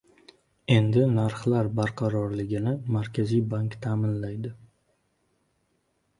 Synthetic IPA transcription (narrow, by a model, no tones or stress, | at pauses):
e̞nd̪ɪnaɾχlaɾbaɾqʰɑɾɒɾlɪɡʲɪnɪmaɾkʲʰazijbaŋkt̪ʰaːmɪnlajd̪ɪ